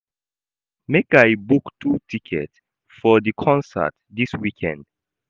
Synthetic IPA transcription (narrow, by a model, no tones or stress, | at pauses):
mekajbuktʰutʰikʰɛ̰t | fɔðikʰɔ̃nsə̰t | diswikʰɛ̰̃nd̥